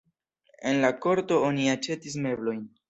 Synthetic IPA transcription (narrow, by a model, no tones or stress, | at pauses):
e̞̰nlako̞ɾto̞o̞niat͡ʃe̞tis̬me̞blo̞jn